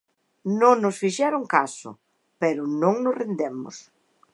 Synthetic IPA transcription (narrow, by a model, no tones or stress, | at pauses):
nõŋnʊsfiʃɛɾʊŋkasʊ̰ | pɛɾʊnõŋnʊsrend̪emʊ̰s